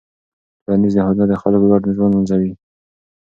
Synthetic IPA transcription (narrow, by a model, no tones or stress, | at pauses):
ɾɑnizd̪əɦɑd̪unad̪əxalklɑʈnəʒwɑnd̪anzawi